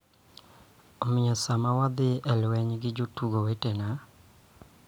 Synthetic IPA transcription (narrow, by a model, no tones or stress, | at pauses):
omɪjɔsamawad̪ɪʔɛlwɛɲɡɪd͡ʒotuɡowetena